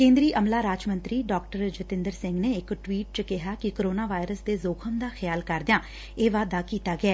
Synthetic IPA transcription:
kẽːnd̪ɾiːʔəmlaːɾaːd͡ʒmənt̪ɾiːɖaːk̚ʈəɾd͡ʒət̪ɪ̃nd̪əɾsɪŋɡneːɪkʈwiːʈ̚t͡ʃəkɪɦaːkɪkoɾoːnaːʋaːɪɾəsd̪eːzoːkʰəmd̪aːxʰɪjaːlkəɾd̪ɪjãː | eːʋaːd̪aːkiːt̪aːɡɪɛː

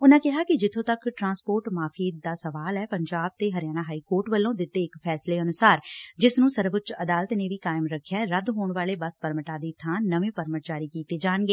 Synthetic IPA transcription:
ʊnãːkɪɦaːkɪd͡ʒɪt̪ʰõːt̪əkʈɾãːnspoːɾʈmaːfʰiːd̪aːsəʋaːlɛːpəɲd͡ʒaːb̚t̪eːɦəɾɪjaːnaːɦaːiːkoːɾʈʋəlːõːd̪ɪt̪ːeːɪkpʰɛːsleːənʊsaːɾd͡ʒɪsnũːsəɾbʊt͡ʃəd̪aːlət̪neːʋiːkaːɪmɾəkʰːjaːɾəd̪ɦoːɳʋaːleːbəspəɾməʈaːd̪iːt̪ʰãːnəʋẽːpəɾməʈt͡ʃaːɾiːkiːt̪eːd͡ʒaːnɡeː

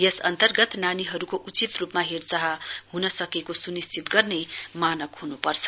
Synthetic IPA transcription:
jesʌnt̪ʌrɡʌt̪naniɦʌɾukoʔut͡sit̪rupmaɦert͡saɦʌhunʌsʌkekosunist͡sʰit̪ɡʌrnemanʌkhunupʌrt͡sʰʌ̥

